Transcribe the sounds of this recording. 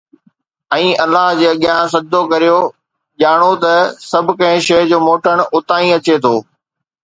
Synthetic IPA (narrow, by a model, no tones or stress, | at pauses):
ɛ̃ːɐlːaɦd͡ʑeːɐɠɪjãsɐd̪ʱokɐɾijo | ʄaːɽ̃ot̪ɐsɐbʱɪ̆kɐ̃ɦɪ̃ʃɐːɦd͡ʑoːmoːʈʰəɽ̃ʊt̪aːĩɐt͡ɕet̪ʰoː